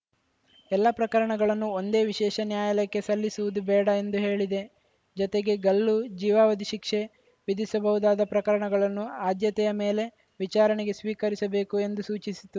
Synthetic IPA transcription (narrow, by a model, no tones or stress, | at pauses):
ɛlːɐpɾɐkɐɾɐɳɐɡɐɭɐnːuond̪e̞ːʋiʃɛːʃɐnjaːjɐlɐkːe̞sɐlːisuʋud̪ubɛːɽɐe̞nd̪uɦe̞ːɭid̪e̞ | d͡ʒɔt̪eɡe̞ɡɐlːud͡ʒiːʋaːʋɐd̪iʃikʂe̞ | ʋid̪isɐbɐɦud̪aːd̪ɐpɾɐkɐɾɐɳɐɡɐɭɐnːuaːd̪jɐt̪ɛjɐme̞ːle̞ | ʋit͡ʃaːɾɐɳɛɡe̞sʋiːkɐɾisɐbe̞ːkue̞nd̪usuːt͡ʃisi̥t̪u